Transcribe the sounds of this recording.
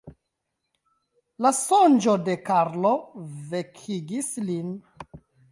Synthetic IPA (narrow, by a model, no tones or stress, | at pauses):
lasond͡ʒo̞de̞kaɾlo̞ve̞kʰiɡislin